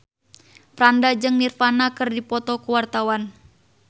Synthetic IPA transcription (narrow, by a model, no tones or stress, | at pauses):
pɾandad͡ʒɨŋnirfanakɨrdipɔt̪ɔkuwart̪awan